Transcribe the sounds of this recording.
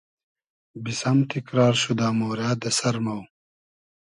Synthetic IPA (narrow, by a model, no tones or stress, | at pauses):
bisɐmt̪ʰikɾaːɾɕud̪aːmoːɾjaːd̪ɐsɐɾmɐw